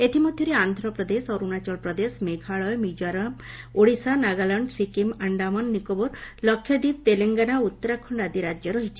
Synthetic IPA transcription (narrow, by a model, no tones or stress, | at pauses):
et̪ʰimɔd̪ʱjɔɾeand̪ʱɾɔpɾɔd̪esɔɾunat͡ʃɔlpɾɔd̪esmeɡʱaɭɔjmud͡ʒɔɾam | oɽisanaɡalɔɳɖsikimaɳɖamɔnːikobɔɾlɔkʰjɔd̪ip̚t̪eleŋɡanaut̪ːɔɾakʰɔɳɖad̪iɾad͡ʒjɔɾɔɦit͡ʃʰi̥